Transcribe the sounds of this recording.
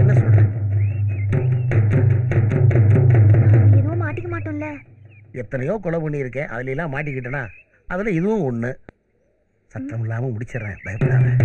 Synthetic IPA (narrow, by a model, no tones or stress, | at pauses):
ɛnːɐsɔlrẽː | ɪðɯʋʊ̃maːʈːɪkːɐmaːʈːʊ̃ɪlːɐ | ɛt̪ːɐnɐjoːkɔɭɐpɐɳːiɪɾɯkːẽːʔɐ̰ðɪlɐɛlːãːmaːʈ̬ːɪkːɪʈːɯnaː | ʔɐðɪlɐ̃ɪðɯʋʊ̃ɔɳːɯ | sɐt̪ːɐmɪlːaːmɐmʊɽɪt͡ʃːɐɾɛ̰̃ːbɐjɐpːɐɽaːlɛ̃ː